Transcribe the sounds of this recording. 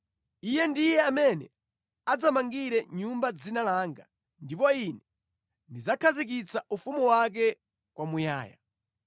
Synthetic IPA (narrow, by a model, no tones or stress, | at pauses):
ijɛndijɛamɛnɛ | ad͡zamaŋɡiɾɛɲumbad͡zinalaŋɡa | ndipɔinɛ | ndizakʰazik̬it͡saʔufumuwak̬ɛ | kwamuja̰ːja̰